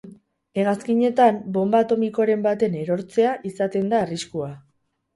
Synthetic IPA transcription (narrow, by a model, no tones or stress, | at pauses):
e̞ɣaskiɲe̞t̪ambo̞mbat̪o̞miko̞ɾe̞mbat̪e̞ne̞ɾo̞ɾt͡se̞aʔisat̪e̞nd̪aːriskua